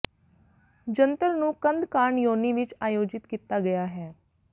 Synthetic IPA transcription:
d͡ʒənt̪əɾnũːkə̃nd̪kaːɳjoːniːʋɪt͡ʃaːjoːd͡ʒɪt̪kiːt̪aːɡɐjaːɦɛː

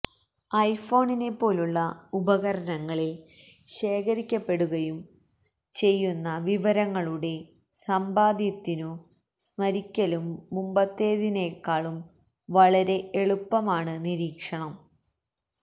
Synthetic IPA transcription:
ɐjfo̞ːɳine̞pːo̞ːluɭːɐubɐɣɐɾɐnɐŋːɐɭe | ɕe̞ːkʰɐɾikʲːɐpːe̞ɽuɣɐjum | t͡ɕe̞jːunːɐʋiʋɐɾɐŋːɐɭuɽe̞ | sɐmbaːd̪jɐt̪ːinu | smɐɾikʲːɐlumːumbɐt̪ːeːðinekːaːɭum | ʋɐɭɐɾe̞ʔeɭupːɐmaːɳɨniɾiːkʂɐɳɐm

